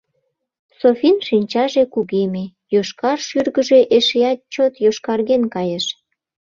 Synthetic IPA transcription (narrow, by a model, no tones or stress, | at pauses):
sofinʃinʲt͡ɕɑʒekuɣeme | joʃkɑrʃyrɣə̆ʒeʔeʃeɑt̪̚t͡ɕot̪joʃkɑrɣenkɑjeʃ